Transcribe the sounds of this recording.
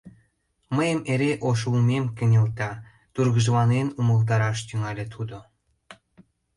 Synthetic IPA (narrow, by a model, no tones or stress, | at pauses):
məjəmeɾeʔoʃ̬ulmemkə̆nʲelt̪ɑ | t̪urɣəʒəlɑnenuməlt̪̬ɑɾɑʃt̪yŋɑlʲet̪ʰud̪o